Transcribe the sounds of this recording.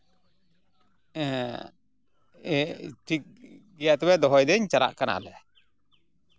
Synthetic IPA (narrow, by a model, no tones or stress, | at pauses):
t̪ik̚ɡɛjaʔt̪ɛwɛd̪ɔɦɔjd̪ɛɲt͡ʃaɾa̰ʔkana̰ʔlɛ